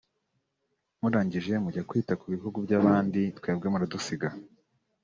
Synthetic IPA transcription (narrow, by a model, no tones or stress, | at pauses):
muɾaːɲɟiʒe̞muɟakwiːtakuβihuɡubɟaːβaːnditkwe̞ːb̚ɡemuɾadusiɡa